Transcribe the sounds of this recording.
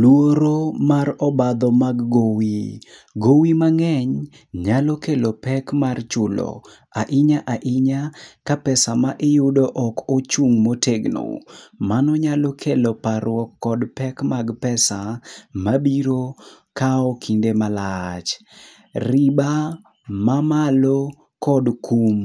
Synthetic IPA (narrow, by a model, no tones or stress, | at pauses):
lwoɾomarɔbad̪ɔmaɡːowiɡowimaŋɛɲ | ɲalokelopɛkmart͡ʃʊlo̰ | aʔɪɲaʔaʔɪɲakapɛsamaʔɪjʊdoʔɔkot͡ʃuŋmotʰeɡno̰manɔɲalokʰelopaɾwɔkːɔdpɛkmaɡpɛsamabiɾo | kaɔkʰindemalat͡ʃ | riba | mamalo | kɔdkum